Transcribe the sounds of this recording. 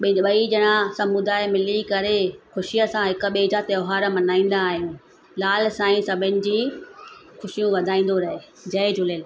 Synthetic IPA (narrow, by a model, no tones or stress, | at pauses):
ɓɓɐiʄɐɽ̃ãsɐmʊd̪aːɪmɪlikɐɾexʊʃijəsãɦɪkʊ̆ɓeːd͡ʑat̪ɐoɦaːɾmɐnaːĩːn̆d̪aːɦijũː | laːlsãːĩsɐbʱɪnɪ̆d͡ʑiː | xʊʃijũʋɐd̪ʱaːĩːnd̪oɾɐɦeː | d͡ʑɐɪd͡ʑʱʊlel